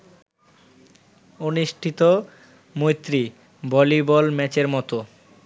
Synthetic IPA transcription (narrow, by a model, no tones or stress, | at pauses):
oniʃʈʰit̪o | mojt̪ːɾi | bɔlibɔlmɛt͡ɕeɾmɔt̪o